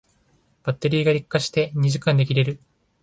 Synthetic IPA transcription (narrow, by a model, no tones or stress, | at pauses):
b̥at̪ːe̞ɾʲiːɡaɾʲikːaɕi̥t̪e̞ɲ̟iʑikãnd̪e̞kʲiɾe̞ɾɯ̟